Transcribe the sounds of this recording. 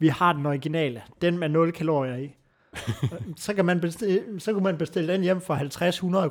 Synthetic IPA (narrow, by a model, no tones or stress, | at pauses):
ʋihɑ̈d̥enɒiɡ̥inɛ̰ːləd̥enmænɔ̽lkʰælo̰ːʁiɐi | sɒ̽kʰæmænb̥essɒ̽kʰumænb̥e̝sd̥e̝ləd̥enjem̰fʁɑ̈hælt͡sʰʁashunɐðˠ